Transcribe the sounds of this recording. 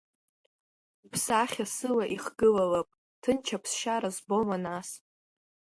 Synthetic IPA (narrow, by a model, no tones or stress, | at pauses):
pʰsaχʲasɨlaʔiχɡɨlalapʼ | tʰɨnt͡ʃʰapʰsʃaɾazbomanas